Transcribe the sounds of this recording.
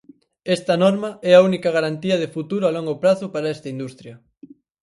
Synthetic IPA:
ɛst̪ɐnɔɾmɐɛɐunikɐɣaɾant̪iɐðɪfut̪uɾʊalɔŋɡʊpɾaθʊpaɾɐɛst̪ɐind̪ust̪ɾjɐ

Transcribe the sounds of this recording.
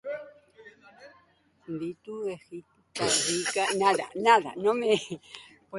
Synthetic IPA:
b̪it̪uexit̪t̪aɾikanaða̰naða̰nome | p

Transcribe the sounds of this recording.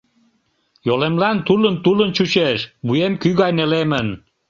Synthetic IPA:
jolemlɑnt̪ulənt̪ulənt͡ɕut͡ɕeʃbujemkyɣɑjnelemən

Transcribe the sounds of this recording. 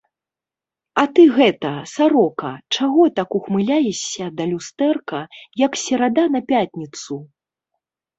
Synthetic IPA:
ɐt̪ɨɣɛt̪ɐsaɾɔkɐ̰t͡ʂaɣɔt̪akuxmɨlʲajɛɕʲːɐd̪ɐlʲust̪ɛrkɐjɐksʲɛɾad̪an̪ɐpʲat̪ʲnʲit̪su

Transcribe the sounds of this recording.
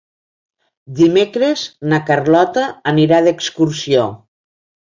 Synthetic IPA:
d̪imekɾeznakarlɔt̪aːniɾaðekskuɾsio

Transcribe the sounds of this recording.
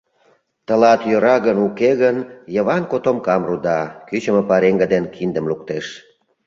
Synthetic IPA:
t̪əlɑt̪jøɾɑɣənukeɣənjə̆βɑnkot̪omkɑmrud̪ɑkyt͡ɕəməpɑɾeŋɡəd̪enkʰind̪əmlukt̪eʃ

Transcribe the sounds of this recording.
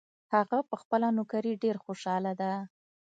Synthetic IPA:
haɣapəxpəlanʊkaɾiɖeɾxoʃɑlad̪a

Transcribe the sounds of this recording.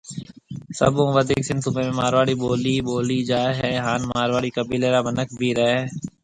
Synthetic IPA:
sə̰bõːʋəd̪iːksɪnsubemẽmaːɾʋaːɽiboːliːboːlid͡ʒaːɦɛːɦaːnmaːɾʋaːɽikəbiːleːɾaːbənəkbʱiɾɛɦeː

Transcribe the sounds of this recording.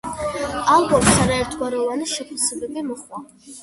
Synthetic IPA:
alˠbɔpsaɾaɛɾt̪ʰɡwaɾɛvaniʃɛpʰasɛbɛbimɔχwa

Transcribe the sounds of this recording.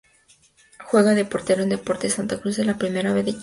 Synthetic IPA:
xwe̞ɣaðe̞po̞ɾt̪e̞ɾoe̞nd̪e̞po̞ɾt̪e̞sant̪akɾuzðelapɾime̞ɾaβe̞zðe

